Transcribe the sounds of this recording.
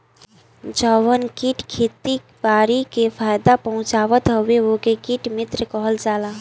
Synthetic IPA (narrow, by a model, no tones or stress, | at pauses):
d͡ʒaʋənkiʈkʰeːt̪i | ʋaːɾikepʰaːjd̪apəɦʊ̃t͡ʃaːʋət̪ɦəʋeʋokekiːʈmɪt̪ɾəkɔɦəld͡ʒaːlaː